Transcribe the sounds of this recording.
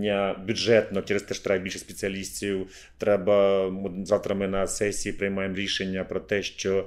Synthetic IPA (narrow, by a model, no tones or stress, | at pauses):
ɐbʲjʊdʐɛt̪nɔt͡ʃɛɾest̪ɛʃt̪ɾajbilʲʃɛsʲpʲet͡sʲiɐlʲisʲtʲiw | t̪ɾɛbɐmzɑwt̪ɾɐmɪnɐsɛsʲiːpɾɪjmɑjemɾʲiʃenʲːɐpɾɔt̪ɛʃt͡ʃɔ